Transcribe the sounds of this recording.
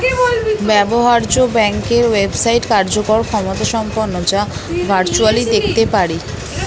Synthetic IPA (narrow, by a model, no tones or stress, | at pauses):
bɛboɦaɾd͡ʑobɛŋkeɾwebsajʈkaɾd͡ʑokoɾkʰɔmot̪aʃɔmponːod͡ʑabʱaɾt͡ɕualid̪ekʰt̪epaɾi